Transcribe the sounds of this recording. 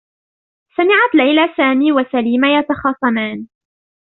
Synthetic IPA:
samɪʕat̪lajlasaːmiːwasaliːmajɑt̪ɑxɑːsˤɑmaːn

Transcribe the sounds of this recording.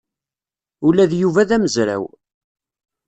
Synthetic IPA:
ʊlæðjuvæðæməzɾæ̰w

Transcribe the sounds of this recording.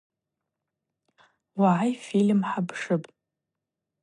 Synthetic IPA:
waʕajfilmħabʰʂɨpʼ

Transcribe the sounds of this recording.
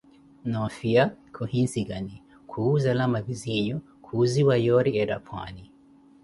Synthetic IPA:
nɔfiakʰɔhinsiɡani | kʰuzalamaviziɲɔ | kʰuziwajɔɾiɛɾapʰwa̰ni

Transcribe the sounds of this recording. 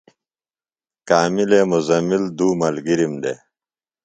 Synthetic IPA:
kaːmileːmuzɐmild̪uːmɐlɡiɾimd̪ḛ

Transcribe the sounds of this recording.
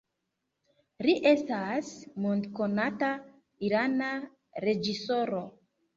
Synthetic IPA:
ɾiʔestasmondkonata | iɾana | ɾe̞d͡ʒiso̞ɾo

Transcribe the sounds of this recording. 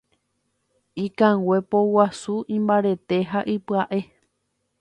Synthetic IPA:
ĩkãwe̞powasuĩmbaɾe̞t̪e̞ɦaʔipɨaʔe̞

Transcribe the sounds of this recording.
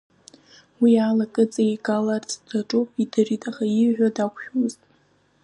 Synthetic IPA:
wialakʼɨt͡sʼajɡalart͡sʰʼd̥aʈ͡ʂʼupʼidɨritʼaχajiʕʷᶣadakʷʰʃᶣztʼ

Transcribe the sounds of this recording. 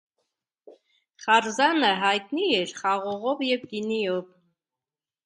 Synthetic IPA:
χarzanəɦajt̪ʼnijɛrχɑʁɔʁɔvjɛvd̪inijɔp

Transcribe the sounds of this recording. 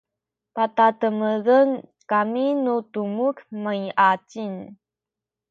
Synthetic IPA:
patatəməɣənkaminutumukmaiʔat͡ʃin

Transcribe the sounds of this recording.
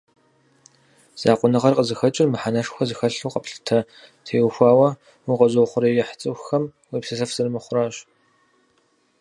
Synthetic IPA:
z̥aːqʷʼʊnɨʁɐrqəzɨxɐt͡ʃʼɪrmɨħanɐʂxʷɐzɨxɐɬuːqɐpɬɨ̥tʰɐ | tʰeːwxʷɑːwɐ | wʊqɐzowχʷʊɾɐjɛħt͡sʼɨwxɐm | wiːpsɨɬɐfz̥ɨrmɨχʷʊraːɕ

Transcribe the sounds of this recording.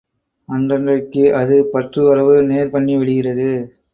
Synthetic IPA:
ɐndɐndrɐkːɯʔɐðɯpɐt̪rɯɐɾɐʋɯneːɾpɐɳːiʋɛɽɯɣɪrɐðɯ

